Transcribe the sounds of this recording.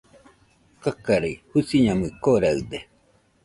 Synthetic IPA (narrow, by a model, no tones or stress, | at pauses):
kakaɾahusiɲamɯkoɾaɯd̪e